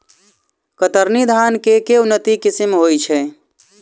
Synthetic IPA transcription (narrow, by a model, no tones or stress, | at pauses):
kət̪əɾnid̪ʱaːnkekeunːət̪ikisimɦoːjt͡ʃʰɛ